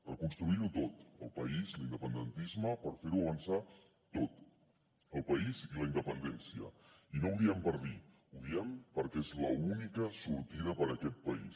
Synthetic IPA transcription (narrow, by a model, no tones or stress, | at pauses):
pəɾkunst̪ɾuiɾut̪ot̪ə̰lˠpəizlind̪əpənd̪ənt̪izməpəɾfeɾuəβənsa | t̪ot̪ | əlˠpəiziləind̪əpənd̪ɛnsiə̰inouðiɛmpəɾði | uðiɛmpəɾkɛezləunikəsuɾt̪iɾəpəɾəkɛt̪̚pəḭs